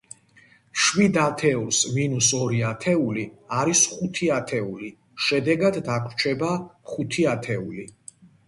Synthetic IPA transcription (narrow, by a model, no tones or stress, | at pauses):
ʃwid̪at̪ʰɛulsminusɔɾiat̪ʰɛuliaɾisχut̪ʰiat̪ʰɛuli | ʃɛd̪ɛɡad̪ːakʰt͡ʃʰɛbaχut̪ʰiat̪ʰɛuli